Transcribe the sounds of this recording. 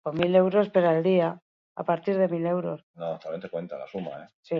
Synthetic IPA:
omile̞wɾo̞speɾaeld̪ia | a̰paɾt̪iɾð̞e̞mile̞wɾo̞snot̪aβjet̪ekwe̞nt̪a̰la̰suma̰esi

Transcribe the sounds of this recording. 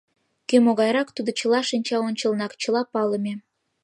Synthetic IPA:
kømoɣɑjɾɑkt̪ud̪ŏt͡ɕəlɑʃinʲt͡ɕɑonʲt͡ɕəlnɑkt͡ɕə̆lɑpɑləmʲe

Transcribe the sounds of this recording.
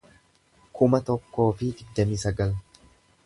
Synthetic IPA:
kʰʊmɐt̪ɔkːo̞ːfɪɡɪɡd̪ːɐmiːsɐɡɐl

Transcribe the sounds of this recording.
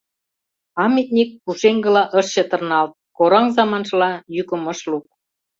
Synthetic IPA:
ɑmit̪̚nʲik̚ːuʃeŋɡɤ̆lɑʔəʃɕə̆t̪ə̆rnɑlt̪̚koɾɑŋzɑmɑnʃlɑjykə̆mɤ̆ʃluk̚

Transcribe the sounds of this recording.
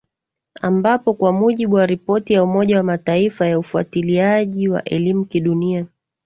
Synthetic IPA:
a̰mbapɔkwamuʄiɓuwaɾipɔtijaumɔʄawamataifajaufua̰tiliaʄiwa̰ʔɛlimukiɗunia

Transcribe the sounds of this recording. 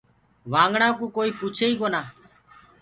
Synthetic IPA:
ʋãːŋɡɳãːkũːkoːiːpuːt͡ʃʰeːiːkoːnaː

